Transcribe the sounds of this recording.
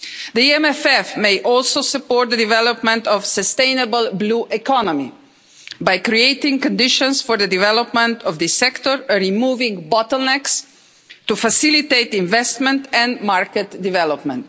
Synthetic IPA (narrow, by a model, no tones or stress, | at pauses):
ðiiɛ̃mɛfɛfmeɪʔɔlˠsoʊsəpɔɹt̪̚d̪ədivɛləpmə̃ntɔv̥səstẽɪ̃nəbəlˠbluʔɛkʰɑnəmḭ | bajkɾieɪtɪ̃ŋkɔ̃ndɪʃə̃nsfɔɹðədivɛləpmə̃ntɔvðɨsɛktəɹəɹimuvɪ̃ŋbɔtəl̩ˠnɛks | tufasɪliteɪtɪ̃ɱvɛstmə̃ntɛ̃nmaɹkətdɪvɛləp̚mə̃nt